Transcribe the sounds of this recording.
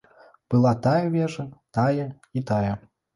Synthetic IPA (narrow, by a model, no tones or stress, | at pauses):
b̥ɨlˠat̪ajɐvʲɛʐɐt̪ajɐ | it̪ajɛ